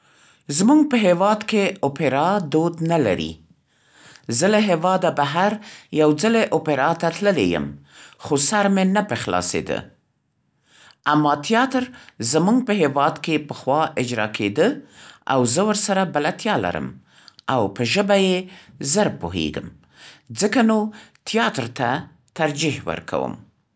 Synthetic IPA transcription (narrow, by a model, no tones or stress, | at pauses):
zmuŋɡ̚pəɦewɑd̪keopeɾɑd̪od̪nala̰ɾḭ | zəlaɦewɑd̪abaɦaɾjawd͡zəleʔopeɾɑt̪at̪ləlḛjə̰mxosaɾmenapəxlɑ̰sḛd̪ə̰ | ʔamːɑt̪ijɑt̪əɾzəmuŋɡpəɦewɑd̪kepəxwɑʔɪd͡ʒɾɑ̰kʰed̪əa̰wzəwəɾsaɾabalat̪jɑla̰ɾə̰m | awpəʒəbajezəɾpoɦḛɡəm | zəkanot̪jɑt̪ɾt̪a | t̪aɾd͡ʒihwə̰ɾkʰa̰wə̰m